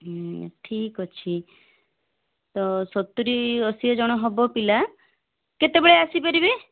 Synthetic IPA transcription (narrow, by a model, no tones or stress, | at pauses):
ʈʰikɔt͡ʃʰi | t̪ɔsɔt̪ːuɾiɔsiɔd͡ʒɔɽ̃ɔɦɔbɔpila | ket̪ebeɭeasipaɾibe